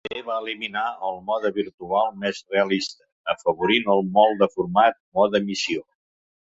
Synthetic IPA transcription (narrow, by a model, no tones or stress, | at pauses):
eβaəliminaəlˠmɔðəβiɾt̪ualˠmɛzreəlist̪ə | əfəβ̞uɾinəlˠmɔlˠd̪əfuɾmat̪̚mɔðəmisio